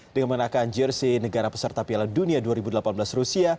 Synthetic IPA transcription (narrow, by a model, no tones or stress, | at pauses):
d̥əŋanməənakand͡ʒərsinəɡaɾapəsərt̪apialanduniaduaɾibudəlapanbəlasrusia